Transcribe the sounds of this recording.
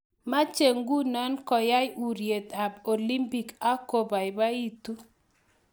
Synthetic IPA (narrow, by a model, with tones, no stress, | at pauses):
ma˦t͡ʃe˨ŋɡu˦nɔ˦nkɔ˨ja˦ju˨ɾje˨t̪a˨bo˨li˦mpi˦˨ka˦ko˨ba˨ɪ˨ba˦i˦t̪u˦